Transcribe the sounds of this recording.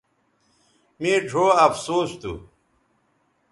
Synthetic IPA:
miːʈ͡ʂʰoːɐfsoːst̪ṵ

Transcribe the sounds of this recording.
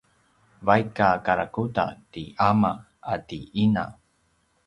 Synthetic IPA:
vajkakaɾakuta̰tiama | atiina̰

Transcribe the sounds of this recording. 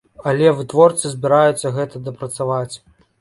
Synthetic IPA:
ɐlʲɛvɨt̪vɔrt̪sɨzʲbʲiɾajut̪sːɐɣɛt̪ɐd̪ɐpɾɐt̪savat͡sʲ

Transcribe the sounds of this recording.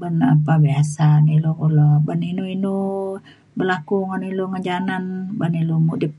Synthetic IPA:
bənapabiasanilokulɔbəninuinu | bərlakuŋaniloŋəd͡ʒananbənilumuʔdip̚

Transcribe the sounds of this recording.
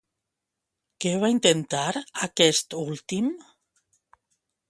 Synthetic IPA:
keβaint̪ent̪aɾakɛst̪ult̪im

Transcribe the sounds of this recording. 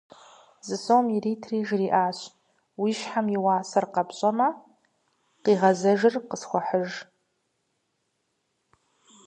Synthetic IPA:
zɨsoːmjiriːtʰriːʒriːʔaːɕ | wiːʃħamjɪwaːsɐrqɐpɕʼɐmɐ | qiːʁɐzɐʒɪrqəsxʷɔħəʒ

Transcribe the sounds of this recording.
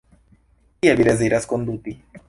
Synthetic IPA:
iaviɾɛzejɾaskond̪uːt̪i

